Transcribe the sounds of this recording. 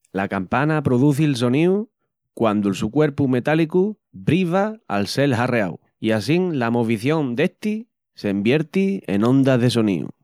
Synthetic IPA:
lakampanapɾoðuθilso̞niu | kwand̪ulsukwe̞ɾpume̞t̪aliku | bɾiβaa̰lse̞lɦare̞a̰w | ias̬iŋlamo̞βiθjõ̞nd̪e̞ht̪i | se̞mbje̞ɾt̪iḛnõ̞nd̪aðe̞so̞nḭṵ

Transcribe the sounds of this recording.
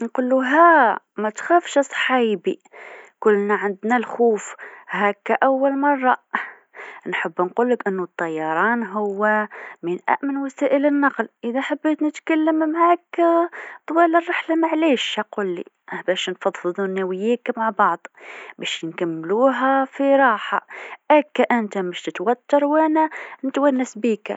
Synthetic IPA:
nqʊlːuɦæ | mæt̪xæːfʃɨsˤħiːbḭkʊlːnaʕand̪nalxuːfhækːaʔawːalmɑrˤːɑ | nħabːnquːlːɪkʔɪnːʊt̪ˤːɑjːɑɾˤɑːnɦʊwːaminʔæ̰ʔmɪnwasæːʔɪlɪnːɑqlʔɪðæʔħabːeːt̪nɪt̪kalːəmmaʕak | t̪ˤwɑːlərˤːɑħlamaʕleːʃaquːlːḭʔbæːʃnfɑd̪ˤfɨðˤunæwɪjːeːkmaʕbɑʕd̪ˤbæʃnkamːluːɦafiɾˤɑːħa̰ʔækːaʔɪnt̪amɪʃt̪ɪt̪wat̪ːɑɾˤwʔænænɪt̪wænːasbiːka̰

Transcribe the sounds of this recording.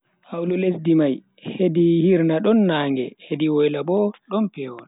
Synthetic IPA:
hawlulesdimaj | hedihiɾnaɗɔnːaːŋɡɛhediwɔjlabɔɗɔnpɛwɔn

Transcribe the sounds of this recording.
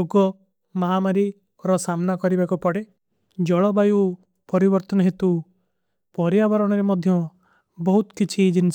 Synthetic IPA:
oɡɔ | maɦamaɾi | ɾɔsamnakɔɾibakupɔɽe | d͡ʒɔɭɔbaju | pɔɾibɔɾt̪ɔnɔɦet̪u | pɔɾjabɔɾɔɽ̃ɔɾemɔd̪ʱjɔ | bɔɦut̪kit͡ʃʰid͡ʒins

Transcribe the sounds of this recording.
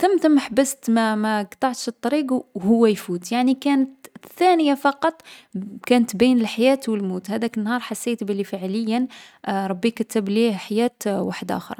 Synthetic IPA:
t̪əmt̪əmaħbəst̪mæmæɡt̪ˤɑʕt̪ʃt̪ˤːɑɾiɡwhʊwːæjfuːt̪jaʕnikænət̪θænəjafɑqɑt̪ˤkænət̪binəlħajæt̪wəlmut̪hæd̪ækənːhɑɾˤħasːet̪bəlːifəʕləjːənɾˤɑbːikət̪əbliħajæt̪waħd̪ʔæ̰xə̰ɾˤ

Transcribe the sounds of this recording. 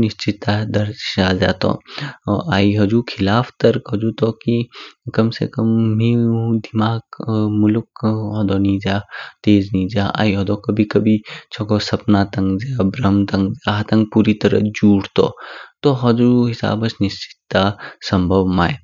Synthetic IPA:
nɪst͡ʃit̪ːad̪ɐɾʃad͡ʒa̰ːt̪ɔ̰ | aːiɦɐd͡ʒukʰɪlaːft̪ɐɾkɦɐd͡ʒut̪ɔːkikɐmsḛkɐmɦĩd̪imaːɡmʊlkɦɔd̪ɔːnid͡ʒaːt̪eːznĩːd͡ʒaːa̰ːiɦɔd̪okɐbʱikɐbʱit͡ʃʰɔɡɔsɐpnat̪ɐ̃ŋɡd͡ʒabɾɐmt̪ɐ̃ŋɡd͡ʒat̪ɐ̃ŋɡ̚puːɾit̪ɐɾə̰d͡ʒuːʈt̪o̰t̪oɦɐzuɦɪsa̰ːbɐsnɪst͡ʃɪ̥t̪ːasɐmbʱɐbmaːe

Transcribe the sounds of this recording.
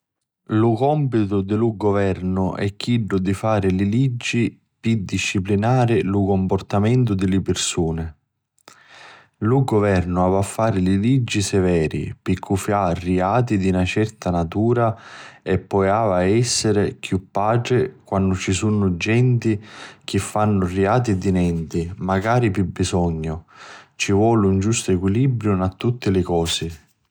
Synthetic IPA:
lʊkɔmpit̪ʊd̪ɪluɡovɛrnʊʔɛ̰kʰːiɖːʊd̪ifaːɾɪlɪlid͡ʒːi | pid̪iʃːiplinaːɾɪlukompɔrt̪amɛnt̪̬ʊd̪ɪlɪpɪrsuːnɪ | luɡovɛrnʊaːvafːaːɾɪlɪlid͡ʒːisɛvɛːɾḭpɪkʰːufjarːiaːt̪̬id̪iunat͡ʃɛrt̪anat̪uːɾaɛpːɔjaːvaɛsːɪɾɪkjupːaːʈɾɪkwanːʊt͡ʃisunʊd͡ʒɛnt̪ik̟ɪfːanːʊriaːt̪̬id̪inɛnt̪imaɡaːɾipibːisɔɲːʊt͡ʃivwɔːlɪund͡ʒust̪ʊɛkwilibɾjʊnat̪ːut̪ːɪlɪkɔːsɪ

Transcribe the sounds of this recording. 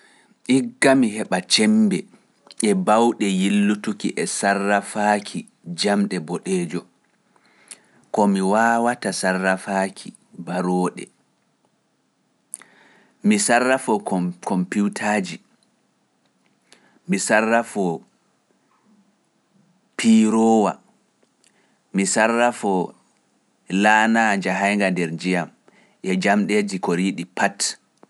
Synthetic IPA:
ʔiɡːamiɦɛɓat͡ʃɛmbɛ | ɛbawɗɛjilːutukiʔɛsarːafakʰi | d͡ʒamɗɛbɔɗɛːd͡ʒɔ | kɔmiwaːwatasarːafaːkʰi | baɾɔːɗɛ̰ | misarːafɔkɔmpuwtʰaːd͡ʒi | misarːafɔ | pʰiɾɔwa̰ | misarːafɔ | laːnaːɲd͡ʒaɦajŋɡandɛɾd͡ʒijam | ʔɛd͡ʒamɗed͡ʒikɔɾiɗipat

